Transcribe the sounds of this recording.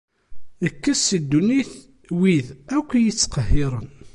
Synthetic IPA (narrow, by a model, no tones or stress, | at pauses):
əkːæsid̪ːuniθ | wiðækʷːjit͡sːqəhːɪɾˤən